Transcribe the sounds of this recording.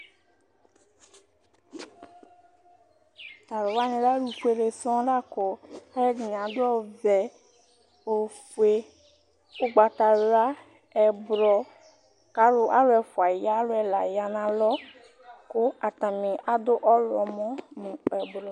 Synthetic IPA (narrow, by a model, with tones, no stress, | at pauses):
t̪a˨ɾo˨wa˦ɲĩ˨ɖa˦ɖu˨fu˦e˨le˨sɔ̃˦ɖa˦kɔ˨a˦jɛ˦d͡ʒi˨ɲ˨ã˨d̪ɔ˦vɛ˨ | o˨fu˨e˨ | wo˦ɡ͡ba˨t̪a˨la˦ | ɛ˨bɾɔ˨ | ka˦lo˦ʔa˦lo˦ɛ˨fu˨a˨ja˦lo˦ɛ˨la˨ja˨nã˨lɔ˦ | ko˦a˨t̪a˨mẽ˨a˦d̪o˦ʔɔ˦lɔ˨mɔ̃˦nũ˨ɛ˨bɾɔ˨